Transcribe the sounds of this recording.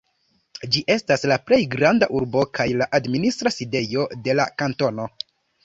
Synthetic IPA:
d͡ʒiʔe̞staslaple̞jɡɾandaʔuɾbo̞kʰajlaʔadministɾaside̞jo̞de̞la̰kanto̞no̞

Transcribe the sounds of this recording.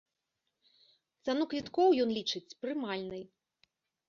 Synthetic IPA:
t̪sanukvʲit̪kɔwjɔnlʲit͡ʂɨt͡sʲpɾɨmalʲnɨj

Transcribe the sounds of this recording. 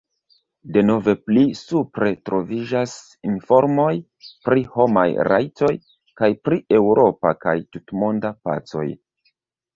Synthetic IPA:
de̞no̞ve̞plisupɾe̞tɾo̞vid͡ʒas | info̞ɾmo̞j | pɾiho̞majɾa̰jto̞j | kajpɾie̞wɾo̞pakajtutmo̞ndapa̰t͡so̞̰j

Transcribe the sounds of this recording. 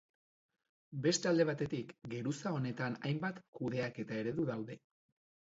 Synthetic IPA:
be̞st̪eald̪e̞β̞at̪e̞t̪ikɡe̞ɾusao̞ne̞t̪anajmbat̪kuðe̞ake̞t̪ae̞ɾe̞ðuðawðe̞

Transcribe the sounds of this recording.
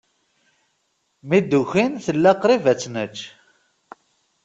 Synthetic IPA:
mid̪ːuçinθəlːæqɾivæt͡sːnət͡ʃː

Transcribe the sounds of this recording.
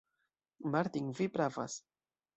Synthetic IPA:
maɾt̪iŋvipɾava̰s

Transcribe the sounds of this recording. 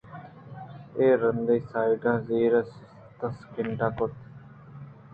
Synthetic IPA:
eːɾənd̪ejsaːiɖãːziːɾas | t̪əskɪɳʈãːkot̪

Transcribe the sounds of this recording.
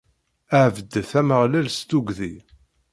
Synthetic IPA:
æʕvəd̪ːθæməʁlælst̪uɡði

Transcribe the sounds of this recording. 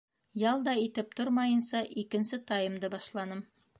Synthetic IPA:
jɑlˠd̪ɑit̪ɘp̚t̪oɾmɑjɤ̆nsɑʔikɘ̆nsɘt̪ɑjɤ̆md̪ɤbɑʃlˠɑnɤm

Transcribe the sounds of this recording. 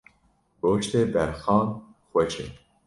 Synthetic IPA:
ɾoːt͡ʃt̪ʰeːbɛɾxɑːnxʷɛt͡ʃʰḛ

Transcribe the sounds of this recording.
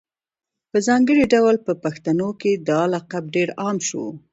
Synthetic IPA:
pəzɑŋɡəɽiɖawlpəpaxt̪anoked̪ɑlaqab̚ɖeɾɑmʃo̰

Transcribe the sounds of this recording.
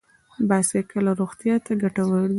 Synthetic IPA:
bɑsekəlaɾoɣt̪jɑt̪aɡaʈawəɽdi

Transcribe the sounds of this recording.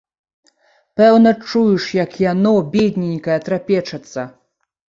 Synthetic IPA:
pɛwnɐt͡ʂujuʂjakjanɔbʲed̪ʲnʲinʲkɐjɛt̪ɾapʲɛt͡ʂɐt̪sːɐ

